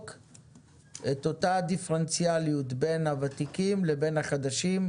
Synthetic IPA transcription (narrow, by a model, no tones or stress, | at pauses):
k | ʔet̪o̞tad̪ifʁent͡sialiut̪be̞nhavat̪ikimlebe̞nhaχad̪aʃim